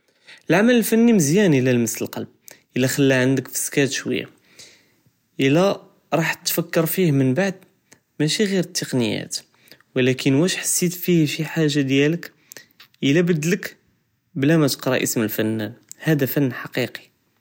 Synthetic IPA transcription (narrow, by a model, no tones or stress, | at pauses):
əlʕamələlfænːiməzjænəlælməsləlqɑlb̚ʔəlːæxælːæʕənd̪əkfə̥skæt̪ʃwə̰jːa̰ | ʔəlːæ | ɾˤɑħt̪ːfəkːəɾfihmənbaʕd̪̚ | mæʃiɣiɾət̪ʰːəqnəjæ̰t̪ | wəlækənwæʃħḁsːit̪fihʃiħaʒːad̪jælək | ʔəlæbəd̪ːlək | blæmæt̪ə̥qɾˤɑʔə̰sməlfænːænhæd̪æfænːħɑqiqi̥